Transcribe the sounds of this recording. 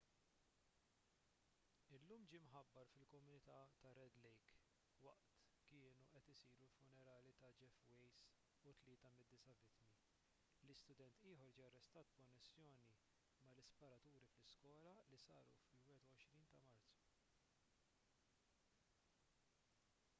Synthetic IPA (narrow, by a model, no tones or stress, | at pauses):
ɪlːuːmd͡ʒiːmħɐbːɐɾfɪlkɔmʊnɪt̪ɐt̪ɐɾɛd̪lɛjk | wɐʔt̪ | kɪːnuʔɛt̪ɪsiːɾulfʊnɛɾɐːlit̪ɐd͡ʒɛfwɛjs | ut̪lɪːt̪ɐmɪd̪ːɪsɐvɪt̪ːmi | lɪst̪ʊd̪ɛnt̪ɪːħɔɾd͡ʒiːjɐrːɛst̪ɐːt̪̚kɔnːɛsːjɔːni | mɐlɪspɐɾɐt̪uːɾiflɪskwɔːlɐlisɐːɾṵfɪlwɛːɛt̪uɔʃɾiːnt̪ɐmɐɾt͡su̥